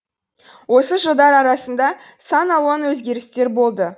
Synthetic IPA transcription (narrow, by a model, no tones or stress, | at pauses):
wo̞səʒəlˠd̪ɑɾɑɾɑsənd̪ɑ | sɑnɑw̪ˠʁɑnwɵzɡʲe̞ɾɪst̪e̞ɾbo̞lˠd̪ə